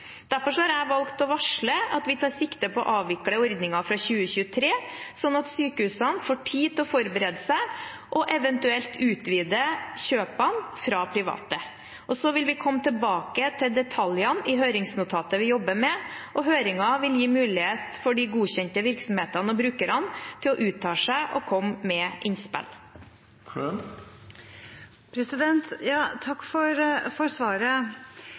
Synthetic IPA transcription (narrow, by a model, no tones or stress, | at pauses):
d̪̥æɾfɔʂɔhɑɾæɪʋɑlkt̪ɔʋɑʂɭəɑt̪ʋɪt̪ʰɑːɾʂɪkt̪əpɔɔʔɑːʋʋɪkləɔɾd̪nɪŋɑfɾɑçʉːəçʉːət̪ʰɾeːsɔnːɑt̪syːkəhʉːsɑnfoːʈʰiːd̪ɔfɔɾbəɾɛd̪əsæɪ | ʔɔʔɛʋɛnt̪ʉɛlt̪ʉːt̪ʋiːd̪əçøːpɑnfɾɑpʰɾɪʋɑ̰ːt̪ə | ʔɔsɔʋɪlʋɪkʰɔmːət̪ʰəlbɑːkət̪ʰɪld̪ɛt̪ʰɑljɑnɪɦøːɾɪŋsnʊt̪ʰɑːt̪əʋɪjɔbːəmɛʔɔɦøːɾɪŋɑʋɪljiːmʉːlɪheːt̪fɔɖɪɡuːɕɛnt̪əʋɪɾksɔmheːt̪ɑnɔbɾʉːkəɾɑnt̪ʰɪlɔʔʉːt̪ʰːɑːʂæɪʔɔkʰɔmːɛʔɪnspɛ̰l | kʰ | pʰɾɛsɪd̪ɛnt̪jɑːt̪ʰɑkːfɔɾfɔɾsʋɑːɾə